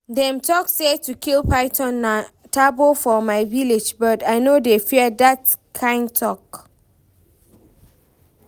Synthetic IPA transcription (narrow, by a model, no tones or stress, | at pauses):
dɛ̃mtʰɔksetʰukʰilpaɪtʰɔ̃nːa | tʰabolfɔmaɪviled͡ʒbɔtaɪnodefiədatkʰãɪ̃nd̚tʰɔk